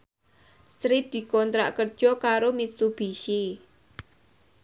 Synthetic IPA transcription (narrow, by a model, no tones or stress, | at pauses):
sɾit̚d̪̥i̤kɔnt̪ɾa̰ʔkərd̥ʒ̥ɔ̤kaɾomitsub̥iʃi